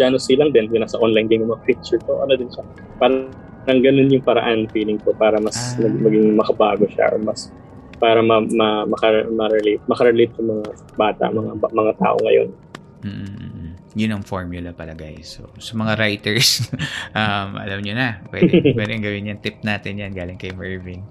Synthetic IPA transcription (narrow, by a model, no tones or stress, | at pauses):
d͡ʒaːnosɪlɐŋd̪ɛnkʊnasɐʔonlajnɡ̪ɪnjʊmɐŋafik̚t͡ʃʊɹt̪oʔɐnod̪ɪnʃa | paːɾ | ɾɐŋɡɐno̞njʊŋpɐɾɐʔanfiːlɪŋko̞paːɾɐmɐsmɐɡmɐɡɪŋmɐkɐbaːɡo̞ʃa̰ʔo̰mɐs | paːɾɐmɐmɐmɐkɐmɐɾɛlet̪̚mɐkɐɾɛlejt̪̚jʊŋmɐŋa | baːt̪ɐ̰ʔmɐŋabamɐŋat̪a̰ːʔo̞̰ŋɐ̰jo̞̰n | m̩ː | jʊnɐŋfoɹmjʊlɐpɐlɐɡajso̰sɐmɐŋaɾajt̪ɛɹsʔɐmʔɐ̰lɐmɲonɐpwɛ̰d̪wɛd̪ɛŋɡɐwɪnɲɐŋt̪ɪp̚naːt̪ɪnjanɡaːlɪŋkɐjmɛɹvɪŋ